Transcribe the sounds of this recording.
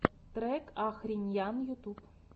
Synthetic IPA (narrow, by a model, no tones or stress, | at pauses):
t̪ɾɛkaxɾʲinʲjanjut̪up